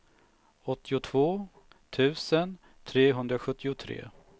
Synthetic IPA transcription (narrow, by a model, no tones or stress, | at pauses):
ɔt̪ːɪʊt̪ʰvoː | t̪ʰʉ̟ːsən | t̪ʰɾeːɦɵnd̪ɾaɧɵt̪ːɪʊt̪ʰɾḛː